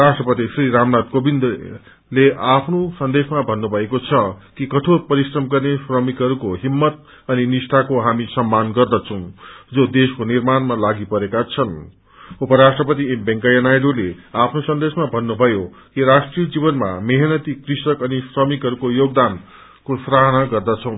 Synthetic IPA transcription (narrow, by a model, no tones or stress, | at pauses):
ɾasʈrʌpʌt̪isriɾamnad̪kobind̪ | leʔapʰnosʌnd̪esmabʱʌnːubʱʌekot͡sʰʌkikʌʈʰorpʌɾisrʌmɡʌrnesrʌmikɦʌɾukoɦimːʌt̪̚ | ʌninisʈʰakoɦamisʌmːanɡʌrd̪ʌt͡sʰʌw̃d͡zod̪eskonirmanmalaɡipʌɾekat͡sʰʌn | upʌɾasʈrʌpʌt̪iembʌŋkajʌnajɖoleapʰnosʌnd̪esmabʱʌnːubʱʌjo | kiɾasʈrijʌd͡zibʌnma̰meɦenʌt̪ikrisʌkʌnisrʌmikɦʌɾukojoɡ̚d̪an | kosraɦnaɡʌrd̪ʌt͡sʰʌ̃w̃